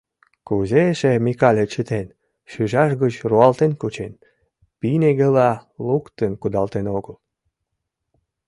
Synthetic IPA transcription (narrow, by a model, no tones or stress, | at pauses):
kuzeʃemikɑlʲet͡ɕət̪en | ʃyʒɑʃɣət͡ɕruɑlt̪enkut͡ɕen | pineɣelɑlukt̪ənkud̪ɑlt̪enoɣəl